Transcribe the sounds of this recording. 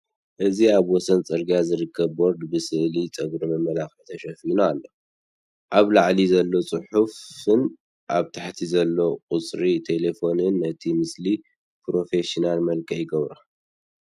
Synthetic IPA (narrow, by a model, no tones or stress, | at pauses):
ʔɨziaβwɔsɐnt͡sʼɨɾɡijazɨɾɨkʰːɐβːo̞ɾd̪bɨsɨʔlit͡sʼɐɡɾimɐmːɐlaxit̪ʰɐʃɐfinaːlːo | ʔaβlaʕlizɐlːo̞t͡sʼɨħufɨn | ʔaβt̪ʰaħt̪ʰizɐlːo̞qʼʊt͡sʼɾit̪ʰe̞le̞fo̞nɨnɨt̪ʰimɨsli | pɾo̞fe̞ʃinalmɐlkʰɐjɪɡɐβɾa